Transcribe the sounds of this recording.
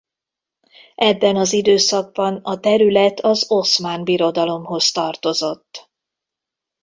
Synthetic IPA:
ʔɛbːɛnɒzid̪øːsɒɡ̚bɒnɒt̪ɛɾylɛt̪ʰɒzo̞smaːnbiɾo̞d̪ɒlo̞mɦo̞st̪ɒrt̪o̞zo̞t̪ː

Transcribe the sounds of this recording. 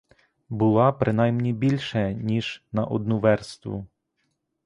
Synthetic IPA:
bʊlˠɑpɾɪn̪ɑjmnʲibʲilʲʃɛnʲiʒnɐʔɔ̰d̪̚nuʋɛrst̪ʋʊ̰

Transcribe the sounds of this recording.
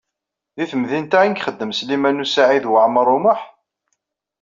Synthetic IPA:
ðiθəmðint̪æinkχəd̪ːəmslimænusaʕiðwəʕmɾˤʊməħ

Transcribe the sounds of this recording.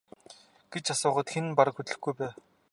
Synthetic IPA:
ɡ̥et͡ɕasʊːʁə̆t̪xenpaɾə̆kxɵt̪ɮɘ̆xɡujpæː

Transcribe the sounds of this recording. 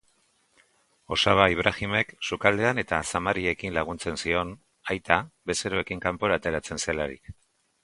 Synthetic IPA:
o̞saβaiβ̞ɾʔaxime̞ksukald̪e̞ane̞t̪asamaɾie̞kinlaɣ̞unt͡se̞nsio̞n | ajt̪aβe̞seɾo̞e̞kiŋkampo̞ɾaːt̪e̞ɾat͡se̞nselaɾḭk

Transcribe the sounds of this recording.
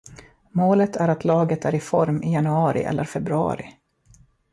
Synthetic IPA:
moːlət̪ʰæɾat̪lɑːɡət̪æɾɪfɔɾmɪjanɵɑːɾɪ̰ʔɛ̰lːəɾfɛbɾɵɑ̰ːɾɪ̰

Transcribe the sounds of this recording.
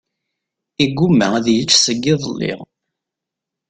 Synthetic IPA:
iɡːumːæðjət͡ʃːsəɡːɪðˤlːḭʁ

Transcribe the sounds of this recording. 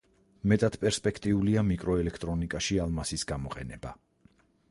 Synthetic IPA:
mɛt̪ʼad̪̥pʼɛɾspʼɛkʰt̪ʼiuliamikʼɾɔɛlɛkʰt̪ʼɾɔnikʼaʃialˠmasisɡamɔqʼɛ̰nɛba

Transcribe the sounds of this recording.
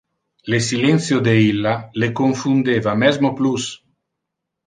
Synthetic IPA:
lesilɛnsjod̪eilːalekoɱfund̪eːvamɛzmoplus

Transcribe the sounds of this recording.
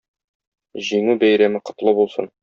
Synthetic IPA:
ʑiŋʉbæjɾæmɘqŏt̪lˠɤbulˠsɤ̰n

